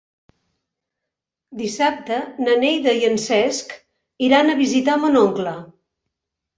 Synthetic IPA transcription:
d̪isap̚t̪ənənejðəjənsɛsk | iɾanəβizit̪amənoŋklə

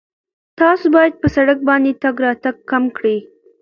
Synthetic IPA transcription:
t̪ɑsobɑjad̪̚pəsaɽak̚bɑnd̪et̪aɡɾɑt̪aɡ̚kamkɽi

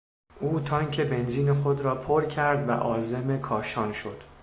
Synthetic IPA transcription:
ʔuːt̪ʰɒːŋcʰe̞be̞nziːnexod̪ɾɒːpʰoɾcʰæɾd̪væ̰ʔɒːze̞me̞kʰɒːʃɒːnʃo̞d̪̥

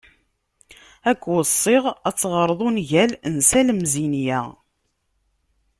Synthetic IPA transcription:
ækʷːwəsˤːɪʁæt͡sːʁəɾˤðˤunʝælnsæləmzinjæ

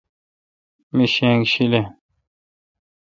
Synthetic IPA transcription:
miɕẽːŋɡɕile

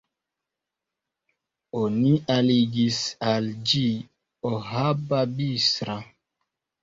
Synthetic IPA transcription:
onialiɡisald͡ʒi | ɔhababisɾa

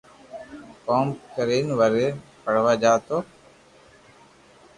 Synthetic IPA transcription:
koːmkəɾiːnʋəɾeːpəɽ̤ʋaːd͡ʒaːt̪oː

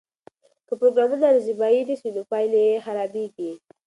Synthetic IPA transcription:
kəpɾoɡɾamunad̪əzibɑid̪iʃinopɑjlexaɾɑbeɡi

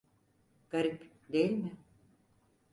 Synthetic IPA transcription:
ɡ̥aɾip | d̪ejilʲmɪ

